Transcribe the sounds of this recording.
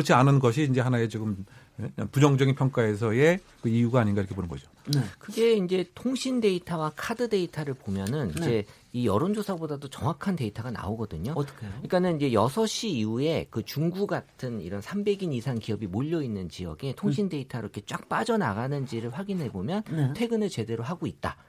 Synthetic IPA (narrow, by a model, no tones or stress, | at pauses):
kɯɾʌt͡ɕʰianɯnɡʌɕʰiːnd͡ʑe̞ɦanaet͡ɕoɡɯm | epud͡ʑʌŋd͡ʑʌɡinpʰjʌŋk͈ae̞s̬ʰʌe̞ | kɯijuɡaːɲinɡaiɾkʰeponɯnɡʌd͡ʑokɯɡe̞ind͡ʑe̞tʰoŋɕʰinde̞itʰawakʰadɯde̞itʰaɾɯɭpomjʌnɯnid͡ʑe̞ | ijʌɾond͡ʑosʰabodadot͡ɕʌŋwakʰante̞itʰaɡana̰oɡʌdɯɲo̥kʰiɭk͈anɯniɲd͡ʑe̞jʌsʰʌɕ͈ʰiiue̞kɯt͡ɕuŋɡuɡatʰɯnḭɾʌnsʰambe̞ɡinisʰaŋkijʌbimoʎːʌinːɯnt͡ɕijʌ̰ɡe̞tʰoŋɕʰinde̞itʰaɾokʰet͡ɕ͈ak̚p͈ad͡ʑʌna̰ɡanɯnd͡ʑiɾɯɭɸwaɡinɦe̞bomjʌntʰwe̞ɡɯnɯɭt͡ɕe̞de̞ɾoɦaɡoit̚t͈a̰